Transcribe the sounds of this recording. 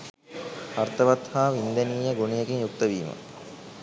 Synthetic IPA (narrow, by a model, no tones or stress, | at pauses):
art̪əʋat̪haːʋind̪eniːjəɡunijeɡiɲjuk̚t̪əʋiːmə̰